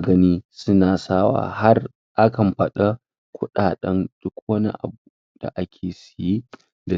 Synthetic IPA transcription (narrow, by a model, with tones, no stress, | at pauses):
ɡɐ˦niː˦sʊ˦naː˨saː˦wa̰ː˨ha˦r | ʔa˦kɐ˨mɸɐ˦˨ɗa˦ | kʷʊ˦ɗaː˨ɗɐ˦nd̥ʊ˦kwɐ˦nḭ˦ʔa̰˨buː˦ | d̥a̰˨ʔa˦kʲʰeː˨sɐ̥˨ji˦ | da˨